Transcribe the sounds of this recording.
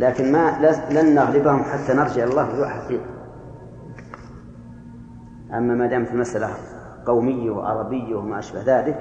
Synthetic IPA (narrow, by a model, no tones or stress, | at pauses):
laːkɪnmalalanːaɣlɪbahʊmħat̪ːanɑɾˤd͡ʒɪʕɪlɑlˤːɑːhwɪlaʕħaqiːʔ | ʔa̰mːamaːd̪aːmat̪ɪlmasʔala | qɑwmɪjːawɪ̰ʕɑ̰ɾˤɑbɪjːawɪmaʔaʃbahðaːlɪk